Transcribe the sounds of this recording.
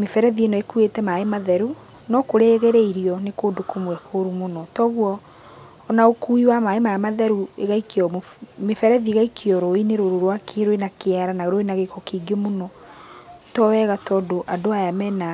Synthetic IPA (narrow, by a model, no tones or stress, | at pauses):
mefɛɾɛðienɔekuetɛmaemaðɛɾu | nɔkoɾeɣeɾeiɾiɔnekodokomwɛkʰoɾumonɔtɔɣwɔː | naokuiwamaemaamaðɛɾueɣaikeɔmmefɛɾɛðieɣaikʰeɔɾoineɾoɾoɾwakeɾoenakeaɾanaɣeɾoenaɣekɔkiɡemonɔ | tɔwɛɣatɔːdoʔadoajamɛna